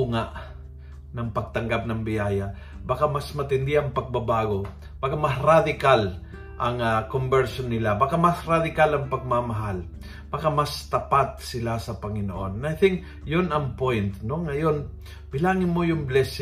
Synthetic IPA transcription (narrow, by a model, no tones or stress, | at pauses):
uŋaʔ | nɐŋpɐɡ̚t̪ɐŋɡap̚nɐŋbɪjaːja | bakamɐsmɐt̪ɪnd̪ɪɐŋpɐɡ̚babaːɡo̞ | b̥akamɐsɾad̪ɪkal | ʔɐŋakombɛɹʃonːɪlabakamɐsɾad̪ɪkalɐŋpɐɡ̚mamɐɦal | b̥akamɐst̪ɐpat̪̚sɪlasɐpɐŋɪno̰ʔo̞nːajθɪŋk̚ | jonɐŋpojnt̪noŋɐjo̞n | bɪlaːŋɪnmojʊŋblɛs